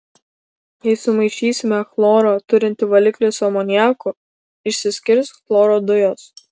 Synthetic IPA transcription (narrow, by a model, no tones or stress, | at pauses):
jɛɪsʊmɐɪʃʲiːsʲɪmʲɛxlˠoːɾoːt̪ʊɾʲɪnʲt̪ʲɪʋɐlʲɪklʲesɔmɔːnʲjæːkʊ | ɪʃʲsʲɪsʲkʲɪɾʲsxlˠoːɾod̪ʊjoːs